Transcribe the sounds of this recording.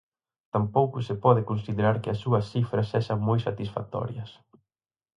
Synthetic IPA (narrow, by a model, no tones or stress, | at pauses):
t̪ampowkʊsɪpɔðɪkonsiðeɾaɾkɪɐsːuɐsθifɾɐsɛʃɐŋmojsat̪isfa̰t̪ɔ̰ɾjɐs